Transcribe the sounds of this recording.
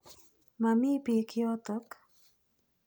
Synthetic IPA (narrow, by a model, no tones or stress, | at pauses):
mamiːpikjot̪ok